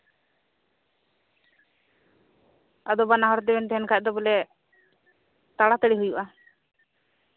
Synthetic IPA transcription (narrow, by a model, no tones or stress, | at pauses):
ad̪ɔbanaɦɔɾɔd̪ɛbɛnt̪ɛɦɛnkʰac̚d̪ɔbɛlɛ | t̪aɽat̪əɽiɦujuʔa